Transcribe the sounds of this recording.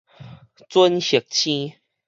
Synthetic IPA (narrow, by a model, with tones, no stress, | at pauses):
t͡swə˦nɕə˨˩k̚t͡ɕʰĩ˦